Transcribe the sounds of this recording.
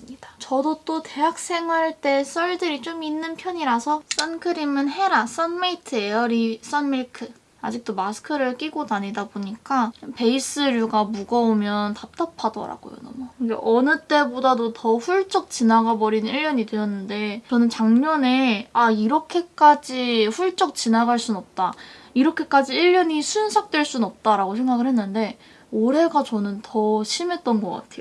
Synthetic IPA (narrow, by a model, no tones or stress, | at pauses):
ɯmɲid̥ḁt͡ɕʌdot͈oteɦak̚s͈ʰe̞ŋwaɭt͈e̞s͈ʌɭdɯɾit͡ɕominːɯnpʰjʌɲiɾasʰʌs͈ʌnkʰɯɾimɯnɦe̞ɾas͈ʌnmeitʰɯeʌɾis͈ʌnmeɭkʰɯ | a̰d͡ʑik̚t͈omasʰɯ̥kʰɯɾɯɭk͈iɡonaɲidaboɲik͈ape̞is͈ɯɾjuɡamuɡʌomjʌntap̚t͈apʰadʌ̰ɾa̰ɡ̥o̰jo̰na̰maɡḛʔʌnɯt͈e̞bodadotʌɸuɭt͡ɕ͈ʌk̚t͡ɕinaɡabʌɾinɯniɭjʌɲidwejʌnːɯnde̞t͡ɕʌnɯnt͡ɕaŋɲʌne̞aiɾʌkʰe̞k͈ad͡ʑiɸuɭt͡ɕ͈ʌk̚t͡ɕinaɡaɭs͈uʌp̚t͈aiɾʌkʰe̞k͈ad͡ʑiiʎːjʌɲisʰunsʰak̚t͈weɭs͈unʌp̚t͈aɾaɡosʰe̞ŋɡaɡɯɭhe̞nːɯnde̞ | oɾe̞ɡat͡ɕʌnɯntʰʌɕʰime̞t̚t͈ʌnɡʌk͈a̰tʰe̞jo